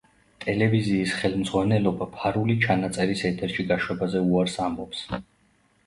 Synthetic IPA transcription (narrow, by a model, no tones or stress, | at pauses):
t̪ʼɛlɛviziːsχɛlˠmd̪zʁwanɛlɔbapʰaɾulit͡ʃʰanat̪sʼɛɾisɛt̪ʰɛɾʃiɡaʃwɛbazɛuaɾsambɔps